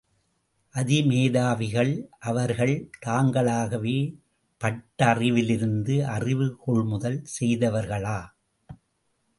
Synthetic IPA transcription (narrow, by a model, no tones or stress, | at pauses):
ʔɐðɪmeːðaːʋɪɣɐɭʔɐʋɐɾɣɐɭt̪aːŋɡɐɭaːɣɐʋeː | pɐʈːɐrɪʋɪlɪɾɯnd̪ɯʔɐrɪʋɯkɔɭmʊðɐlsɛjðɐʋɐɾɣɐɭaː